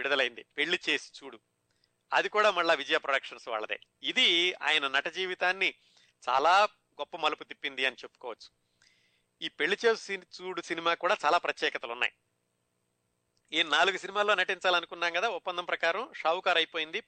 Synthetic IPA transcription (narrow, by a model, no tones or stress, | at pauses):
iɽid̪ɐlɐjind̪ipe̞ɭːit͡ʃe̞ːsi̥t͡ʃuːɽu | ɐ̰d̪ikuːɽaːmɐɭːaːʋid͡ʒɐjaːpɾoɽɐkʂɐnsʋa̰ːɭːɐd̪ḛːid̪ia̰ːjɐnɐnɐʈɐd͡ʒiːʋit̪aːnːi | t͡ʃa̰ːlaː | ɡɔpːɐmɐluput̪ipːind̪iɐnit͡ʃe̞pːu̥kɔːʋɐt͡ʃːu̥ | iːpe̞ɭːit͡ʃe̞ːssit͡ʃuːɽusinimaːkuːɽaːt͡ʃaːlaːpɾɐt̪jɛːkɐt̪ɐlunːa̰j | iːnnaːluɡusinimaːloːnɐʈiɲt͡ʃaːlɐnukunːaːŋɡɐd̪aːupːɐnd̪ɐmpɾɐkaːɾɐmʂaːwkaːɾɐjpo̞ːjind̪i